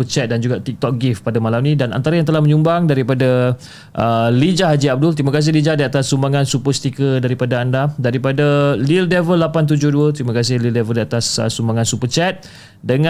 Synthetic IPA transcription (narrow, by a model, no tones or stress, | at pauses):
ət͡ʃɛt̪̚dand͡ʒuɡaʔt̪ik̚t̪ɔk̚ɡifpadamalamnĩdana̰nt̪aɾajaŋt̪əlahmə̃ɲumbaŋdaɾipada | ʔəlid͡ʒaɦad͡ʒiab̚dʊlt̪ɾimakas̬ɪhlid͡ʒadiat̪asːumbaŋãnsupəst̪ikədaɾipadaandadaɾipadalildɛvəlːapant̪̬ud͡ʒʊhduət̪ɾimakas̬ɪhlildɛvəldiat̪asə̰sːumbaŋansupət͡ʃɛt̪̚ | dəŋa